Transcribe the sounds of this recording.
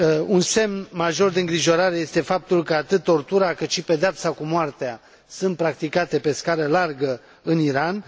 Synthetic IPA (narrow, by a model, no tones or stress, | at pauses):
unse̞mnmaʒo̞rd̪eɨŋɡɾiʒo̞ɾaɾe̞je̞st̪e̞fap̚t̪ulkəat̪ɨt̪̚ːo̞rt̪uɾakɨt̪ʃipe̞d̪eapsakumoart̪ea | sɨnt̪̚pɾak̚t̪ikat̪e̞pe̞skaɾəlarɡə | ɨniɾan